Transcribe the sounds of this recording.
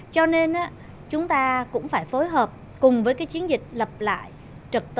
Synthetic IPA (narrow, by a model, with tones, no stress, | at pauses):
t͡ɕɔ˧ne˧nʔaː˨˦˥ | t͡ɕʊ˨˦ŋ͡mt̪aː˧kʊ̰˧˥ŋ͡mfaː˧˩jfo˨˦jɦəː˨˩p̚ | kʊ˨˩ŋ͡mvəː˨˦jkaː˨˦jt͡ɕi˨˦ənzï˨˩k̟̚lə˨˩p̚la̰ː˧˨j | t͡ɕə˨˩k̚t̪